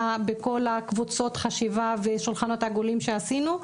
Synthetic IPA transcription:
abeko̞lakvut͡so̞tχaʃivaveʃulχano̞taɡolimʃeasinu

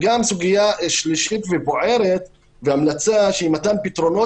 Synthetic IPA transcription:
ɡamsuɡijaʃliʃit̪veboʕe̞ɾet̪ | veamlat͡saʃeimat̪ampit̪ɾo̞no̞

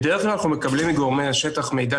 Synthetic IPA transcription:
d̪eʁeχlaanaχnume̞kablimːiɡo̞ʁmejaʃet̪aχme̞jd̪a

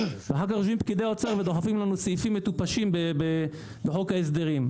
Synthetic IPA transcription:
veaħakaχʃuimpkid̪eaot͡saʁved̪oħafimlanusifimːet̪upaʃimbebe | d̪oħokhaes̬d̪eʁim

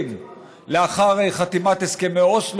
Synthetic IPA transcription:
m | leaχaʁejχat̪imat̪eskemeoʃl

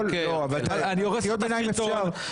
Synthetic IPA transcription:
lloavalt̪aanioʁesijot̪̚benajimjet̪oav

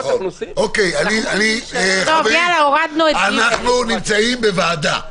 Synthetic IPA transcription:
okejanianiovalaoʁad̪noeaanaχnunimt͡saimbevaːd̪a̰

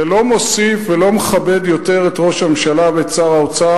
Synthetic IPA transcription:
elo̞mo̞sifvelo̞meχabe̞d̪jo̞te̞ʁetʁo̞ʃamʃalavet͡saʁaot͡sa

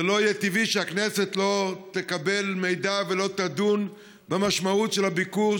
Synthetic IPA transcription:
elo̞ijet̪iviʃeaknese̞t̪lo̞t̪ekabe̞lme̞jd̪avelo̞t̪ad̪un | bemaʃmautʃelabiku

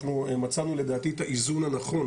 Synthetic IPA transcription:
nuemat͡sanule̞d̪aːt̪itaʔizunhanaχo̞n

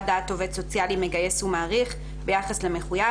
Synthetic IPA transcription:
dat̪ːo̞vetso̞t͡sjalime̞ɡaje̞sumaːʁiχ | be̞jaχasleme̞χuja

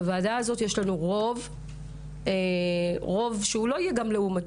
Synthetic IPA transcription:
vaːdaazo̞t̪jeʃlanuʁo̞v | eʁo̞vʃeulo̞ijeɡamleumat

